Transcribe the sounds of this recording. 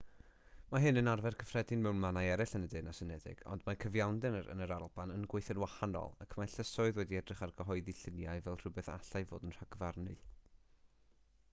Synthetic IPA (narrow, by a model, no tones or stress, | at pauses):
maɦɨnənarvɛrkʰəfrɛdɨnmɛwnmanaɛɾɪɬənədeːnasənɛdɪ̰ɡ̥ɔ̰ndmakʰəvjawndɨnəɾə̰nəɾalˠbanənɡweɨθənwahanɔ̰lˠakʰmajɬəsʊɨðwɛdiɛdrɪχarɡəɦɔɨðiɬɪnjaɨvɛlˠr̥ʊbɛθa̰ɬaɨvo̰ːdənr̥aɡəvarnɨ̰